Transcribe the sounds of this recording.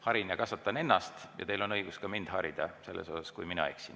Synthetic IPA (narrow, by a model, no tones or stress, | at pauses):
hɑɾinɑkɑsɑt̪ːˑɑne̞nːɑst̪jɑ̰t̪e̞jlo̞nɤjɡ̥uskɑmind̪̥hɑɾid̪̥ɑse̞lːḛsosɑskujminɑ̰eksin